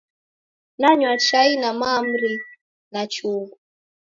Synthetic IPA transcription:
naɲwat͡ʃainamam̩ɾi | nat͡ʃuɡu

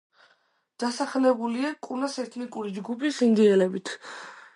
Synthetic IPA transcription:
d̪̥asaχlɛbuliakʼuɾnasɛɾt̪ʰnikʼuɾid͡ʒɡupʰisind̪iɛlɛbit̪ʰ

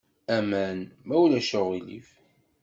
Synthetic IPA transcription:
æmænmæwlæʃəʁilḭf

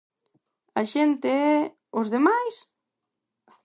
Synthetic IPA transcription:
aʃent̪eɛ | ʊzðemajs

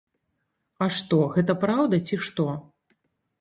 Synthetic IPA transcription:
ɐʂt̪ɔɣɛt̪ɐpɾawd̪ɐt͡sʲiʂt̪ɔ

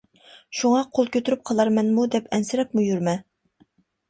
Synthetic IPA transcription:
ʃuŋɑqʰolˠkʲʰøt̪ʰyɾyp̚qʰɑlˠɑɾmɛnmud̪ɛpʰɛnsɪɾɛk̚ʲmujyɾmɛ

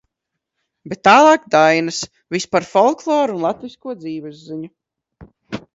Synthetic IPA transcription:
bet̪ːaːlˠɑːkd̪ajnas | vispaɾfɔlˠklˠɔːɾunlˠat̪viskuɔd̪ziːvɛzːiɲu

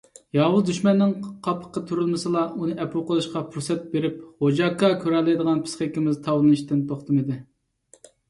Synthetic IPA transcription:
jɑːwʊzd̪yʃmɛnːɪŋqʰɑpʰə̥qːət̪ʰyɾylˠmɨsɨlˠɑunɨʔɛpʰulˠqəlˠɨʃqɑpʰuɾsɛt̪̚beɾɪp̚hod͡ʒɑkːɑkʲʰøɾɛlːɛjd̪əʁɑnpʰɨ̥sχekʲimɪzt̪ʰɑwlˠɨnɨʃt̪ɪnt̪ʰoχt̪ʰɨmɨd̪ɪ

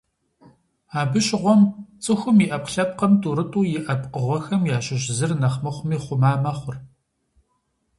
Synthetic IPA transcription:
aːbɨɕʼʁʷɔmt͡sʼɨxʷʊmiʔɐpɬɐp̚qɐmtʰʼuːɾɨtʼuːjɪʔɐpʼqəʁʷɔxɐmjaːɕɪɕzɨrnɐχmɐχʷʊmiːχʷʊmaːmɐχʷʊr

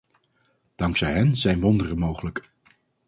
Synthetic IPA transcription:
d̥ɑŋksɛjɦɛnz̥ɛjnʋɔndərəmowχələk

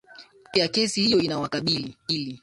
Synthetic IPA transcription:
pɛjakɛsihijɔinawakaɓiliili

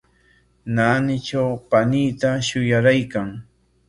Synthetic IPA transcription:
naːnɪt͡ʃawpaniːt̪aʃʊjaɾajkaŋ

